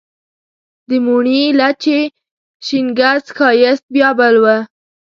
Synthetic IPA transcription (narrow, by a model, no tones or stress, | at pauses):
d̪əmuɳilat͡ʃe | ʃiŋɡazxɑjɪst̪̚bjɑbalwa